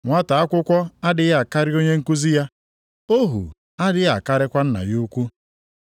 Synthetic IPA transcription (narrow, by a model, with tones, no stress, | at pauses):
ŋʷa˦ta˨a˦kʷʊ˦kʷɔ˦a˦dɪ˨ɣa˨ka˦ɾɪ˦o˦ɲe˦ŋ̩˦ku˦zi˦ja˦ | o˦ɦṵ˨ | a˦dɪ˦ɣa˨ka˦ɾɪ˦kʷa˦n̩˦na̰˨ju˦kʷu˦